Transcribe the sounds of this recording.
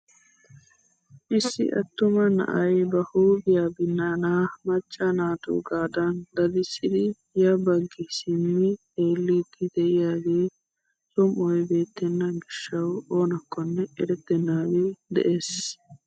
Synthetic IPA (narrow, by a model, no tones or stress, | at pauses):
ʔɪsːɪ̰ʔɐ̰t̪ːʊmɐnɐ̰ʔɐjbɐhuːbɪjaːbɪnːaːnaːmɐt͡ʃʼːɐnaːt̪ṵːɡaːd̪ɐnd̪ɐd̪ɪsɪd̪ɪ | jɐbɐɡːɪsɪmːɪ | eːlːiːt̪ːɪd̪ɛʔɪjaːɡeː | sɔmʔɔjbe̞ːt̪ːɛnːɐɡɪʃːɐwo̞ːnɐkːɔnːɛɛɾɛt̪ːɛnːaːɡed̪ɛ̰ʔeːs